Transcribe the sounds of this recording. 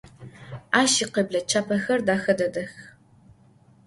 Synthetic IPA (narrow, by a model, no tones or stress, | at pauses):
aːʃiqebɮɐt͡ʃʰaːpʰɐxɐrdaːxɐdɐdɐx